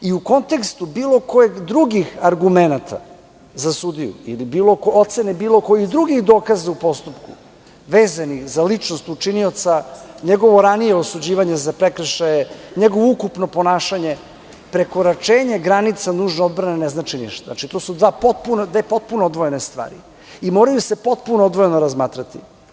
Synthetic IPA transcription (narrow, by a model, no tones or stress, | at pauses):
iuko̞nt̪e̞kst̪ubiːlˠo̞kojeɡd̪ɾuɡixaɾɡumenat̪ʰa̰ | zasud̪ijṵḭlibiːlokoo̞t̪se̞nebiːlo̞ko̞jixd̪ɾuɡixd̪o̞ːkazaupo̞st̪upkṵ | ʋeːzanixzalit͡ʂnost̪ut͡ʂinio̞t̪saɲeɡo̞ʋo̞ɾanijeosud͡ʑiːʋaɲezapɾekɾəʃajeɲeɡoʋoukupno̞po̞naːʃaɲe̞ | pɾe̞ko̞ɾat͡ʂeːɲe̞ɡɾanit̪sanuːʒno̞d̪bɾaneneznat͡ʂiniʃt̪ona̰t͡ʃit̪o̞sud̪ʋaːpot̪̚pund̪ʋepo̞t̪̚punood̪ʋoje̞nest̪ʋa̰ːɾḭ | imo̞ːɾajuse̞pot̪̚punood̪ʋojeno̞ɾazmaːt̪ɾat̪ḭ